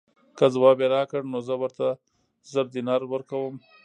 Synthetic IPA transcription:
kəzwɑbeɾɑkəɽnozəwəɾt̪a | zəɾd̪inɑɾwəɾkawəm

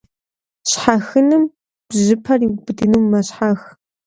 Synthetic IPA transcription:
ɕħaxɨnɨm | b̥ʑɪpʰɐriwbɨdɨnuːmːɐɕħax

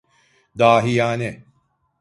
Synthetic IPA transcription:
d̪aːɦijaːne

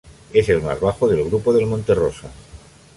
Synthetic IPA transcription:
eselma̰zβaxoðe̞lɣ̞ɾupoðe̞lmõnt̪erosa

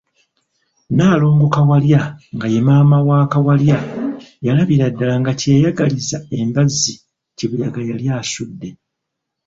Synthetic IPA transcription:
naːlo̞ːŋɡokawaljaŋɡajemaːmawaːkawaljajalaβiɾadːalaŋɡaceajaɡalizae̞mbazːi | ciβujaɡajaljaːsudːe̞

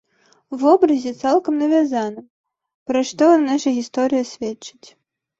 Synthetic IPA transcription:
uvɔbɾɐzʲɛt̪salˠkɐmnɐvʲazanɨm | pɾɐʂt̪ɔnaʂɐɣʲist̪ɔɾɨjɐsʲvʲɛt͡ʂɨt͡sʲ

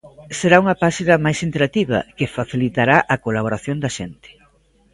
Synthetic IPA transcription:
seɾauŋɐpaʃinɐmajsint̪eɾat̪iβɐ̰kefaθilit̪aɾaʔɐkolaβoɾaθjond̪ɐʃent̪ɪ̥

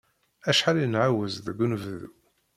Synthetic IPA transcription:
æʃħalijnʕawæzðəɡʷːunvðu

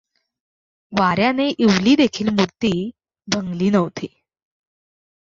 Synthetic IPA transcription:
ʋaɾjaneʔiʋliːd̪ekʰiːlmuɾt̪iː | bʱəŋɡliːnəʋt̪iː

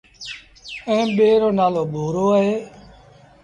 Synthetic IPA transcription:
ẽːɓeːɾoːnaːloːɓʱuːɾoːəɦeː

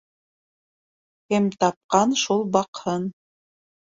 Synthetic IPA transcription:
hæmt̪ɑp̚qɑnʃulˠbɑqhɤn

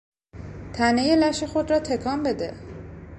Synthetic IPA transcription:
t̪ʰænejelæʃexo̞d̪rɒːt̪ʰe̞kʰɒːmbe̞d̪e

